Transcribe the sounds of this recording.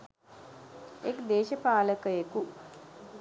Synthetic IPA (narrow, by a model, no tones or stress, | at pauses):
ekd̪eːʃəpaːləkəjeku